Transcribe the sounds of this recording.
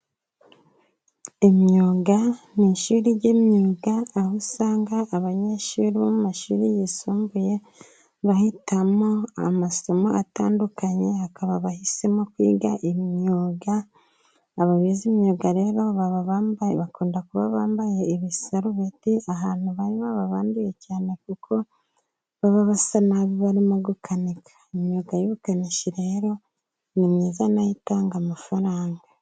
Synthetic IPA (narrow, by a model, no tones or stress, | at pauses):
emɲuːɡa | niʃuːɾiɟemɲuːɡaːhusaːŋɡaʔːβaɲeʃuːɾiβomumaʃṵːɾijisuːmbuje̞ | βahitamo̞a̰maso̞moata̰ːndukaɲe̞hakaβaβahise̞mokwḭːɡaʔimɲuːɡaː | βaβizimɲoɡaɾe̞ːɾo̞βaβaβaːmbβakuːndakuβaβaːmbaje̞iβisaɾuβetiaɦaːn̥huβaɾiβaβaβaːndijecaːne̞kukʰo̞ | βaβaβasanaβiβaɾimoɡukʰanikʰḁimɲoɡajoβukaniʃiɾe̞ɾo̞ | nimɲiːzanajitaːŋɡamafaɾaːŋɡa